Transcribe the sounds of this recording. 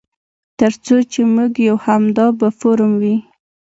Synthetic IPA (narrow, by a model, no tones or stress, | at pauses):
t̪əɾt͡sot͡ʃemuɡjawhamd̪ɑbafoɾmwi